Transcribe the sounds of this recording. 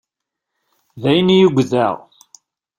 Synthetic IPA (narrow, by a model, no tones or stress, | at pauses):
ðæjnijuɡʷðæʁ